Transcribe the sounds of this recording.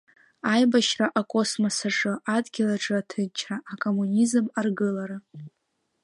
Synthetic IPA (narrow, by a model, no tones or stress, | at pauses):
ajbaʃraʔakʼo̞smosaʂʼɨʔadɡʲɪlaʈ͡ʂʼɨatʰɨt͡ʃʰraʔːkʼo̞munizɨmarɡɨlaɾa